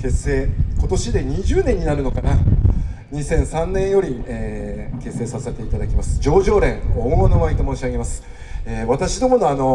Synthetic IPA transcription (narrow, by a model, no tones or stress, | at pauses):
ke̞se̞ːko̞t̪o̞ɕid̪e̞ɲ̟iʑɨːnẽ̞ɲ̟ːinaɾɯ̟no̞kana | ɲ̟isẽ̞ɰ̃sãnːẽ̞ɰ̃jo̞ɾʲieke̞se̞ːsase̞t̪e̞it̪ad̪akʲimasɨ̥d͡ʑo̞ːʑo̞ːɾẽ̞ŋomɡonomait̪o̞moːɕiaɡe̞masɨ̥ | eːβat̪aɕid̪o̞mo̞no̞ano̞